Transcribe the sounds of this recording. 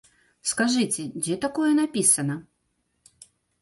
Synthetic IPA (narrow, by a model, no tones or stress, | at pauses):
skaʐɨt͡sʲɛd͡zʲɛt̪akojɛnapʲisɐnɐ